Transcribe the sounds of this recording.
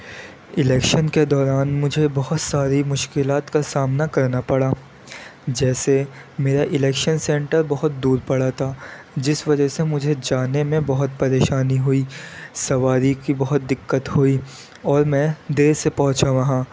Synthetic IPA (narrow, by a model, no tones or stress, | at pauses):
ɪlɛːkʃənked̪ɔːɾaːnmʊd͡ʒʱebɐɦʊt̪saːɾimʊʃkɪlaːt̪kasaːmnakɐɾnapɐɽaː | d͡ʒɛːse | meːɾaʔɪlɛːkʃənsɛ̃ːɳʈəɾbɐɦʊt̪̚d̪uːɾpɐɽat̪ʰaː | d͡ʒɪsʋɐd͡ʒəɦsemʊd͡ʒʱed͡ʒaːnemẽbɐɦʊt̪̚pɐɾeːʃaːniɦʊiːsɐʋaːɾikibɐɦʊt̪̚d̪ɪkːət̪ɦui | ɔːɾmɛ̃d̪eːɾsepɐɦʊ̃t͡ʃaʋɐɦãː